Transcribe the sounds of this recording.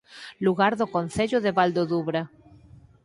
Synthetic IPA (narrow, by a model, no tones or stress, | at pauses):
luɣaɾðokonθeʎoðeβald̪oðuβɾa